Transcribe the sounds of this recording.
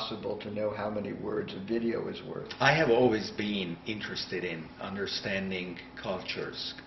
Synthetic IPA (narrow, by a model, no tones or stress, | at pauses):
səbl̩ˠtʰɨnoʊɦaʊmɛnḭwɜ˞dzʌvɪɾioʊɨzwɜ̰˞θaɪɨvɔlˠwizbɪ̃nɪ̃nt͡ʃɹ̥ɨstɨɾɪ̃nʌ̰̃ndə˞stæ̃ndɪ̃ŋ | kʰʌlˠt͡ʃə̰˞z̥